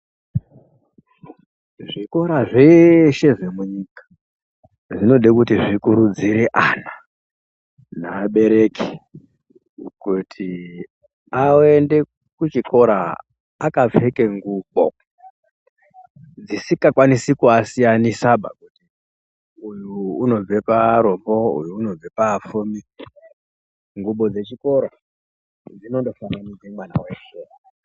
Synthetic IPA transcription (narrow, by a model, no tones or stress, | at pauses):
ʐiko̞ɾaʐe̞ʃe̞ʐe̞muɲikḁ | ʐino̞ɗekutiʐikuɾud͡ziɾeʔana | naːɓe̞ɾe̞ki̥ | kutʰi | aende̞ | kut͡ʃiko̞ɾa̰ː | kap͡fe̞ke̞ŋɡuɓo̰ | d͡zisikakwanisikuasijanisaɓa̰kuti | ujuːno̞b͡ve̞paɾombo̞ṵjuːno̞b͡vepaːfumi | ŋɡuɓo̞d͡ze̞t͡ʃiko̞ɾa | d͡zino̞ndo̞famanid͡zemwana̰weʃe